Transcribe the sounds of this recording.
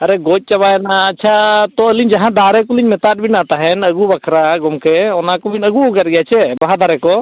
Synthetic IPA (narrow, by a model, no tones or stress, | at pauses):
ɐɾɛɡoc̚ˀt͡ʃɐbajnaɐtːt͡ʃʰat̪ɔəliɲd͡ʒɐɦãd̪aːɾɛk̬ɔliɲmɛt̪aʈ̚binãt̪aɦɛnəɡubakʰɾaɡɔmkeɔnakɔminəɡuɡəɾɡɛjat͡ʃʰɛbaɦad̪aɾɛkɔ